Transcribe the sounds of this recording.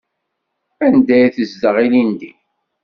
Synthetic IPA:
ænd̪æjθəzd̪əʁilind̪i

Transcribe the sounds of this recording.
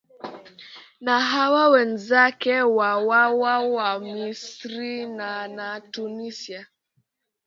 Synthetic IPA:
naɦawawɛnzakɛwawawawamisɾinanatunisia

